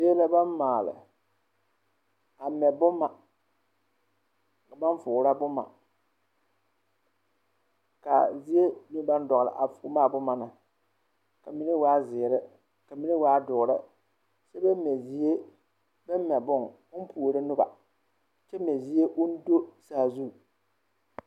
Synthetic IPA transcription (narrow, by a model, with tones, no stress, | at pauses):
seː˦la˦ba˦nmaː˨lɪ̰˨ | a˨mɛ˨bʊ˦mːa˨ | ka˨ba˦n˦fʊ˨ɾa˦bʊ˦ma̰˨ | ka̰˨zi˦e˦nɪ˦ba˦n˦dɔ˨ɣɾa̰˨ʔa̰˨fʊ˨˦maː˦˨bʊ˦ma˨na˨ | ka˨mi˦nɨ˦waː˦zɪː˨ɾɪ˦ | ka˨mi˦nɨ˦waː˦dʊ˨ɾa˦ | se˦bɛ˦mɛ˨zi˦e˦ | bɛ˦m˦mɛ˨bʊ˦ŋ | ʊ˦n˦pʰu˨ɾɨ˦nʊ˦ba̰˨ | t͡ʃɛ˦mɛ˨zi˦e˦ʔʊ˦n̩˦do˦saː˨zu˦˨